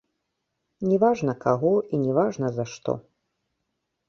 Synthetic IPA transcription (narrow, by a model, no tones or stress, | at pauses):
nʲɛvaʐnɐkaɣɔinʲɛvaʐnɐzɐʂt̪ɔ̰